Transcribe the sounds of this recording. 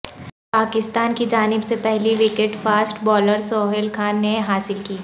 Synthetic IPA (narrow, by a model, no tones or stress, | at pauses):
paːkɪst̪aːnkid͡ʒaːnɪbsepɛɦliʋikẽʈfaːsʈbɔːləɾsɔːɦɪlkʰaːnːeɦaːsɪlkiː